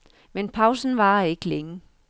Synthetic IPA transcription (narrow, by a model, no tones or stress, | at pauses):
menpʰɑ̈ʊsn̩ʋɑ̈e̝ɡ̥leŋə